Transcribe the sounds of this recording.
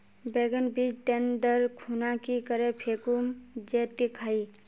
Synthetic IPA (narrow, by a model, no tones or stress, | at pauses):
beɡənbid͡ʒʈend̪əɾkʰunakikəɾepʰeːkumd͡ʒeːt̪ːikʰaːi